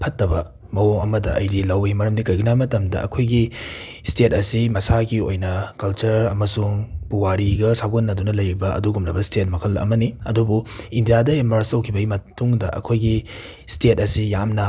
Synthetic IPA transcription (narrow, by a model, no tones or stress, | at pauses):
pʰɐtːɐbɐ | mɐwoŋɐmɐdɐʔɐjdilɐwimɐɾɐmdikɐjɡunamɐtɐmdɐɐ̰kʰojɡi | stetɐsimɐsaɡio̰jnɐkɐlt͡ʃɐɾɐmɐsuŋpuwaɾiɡɐsaɡonːɐdunɐlɐjɾibɐɐ̰duɡumnɐbɐstet̚mɐkʰɐlɐ̰mɐniɐdubuindijadɐimɐɾstɐwkʰibɐɡimɐtuŋdɐʔɐ̰kʰojɡi | stet̚ɐsijamnɐ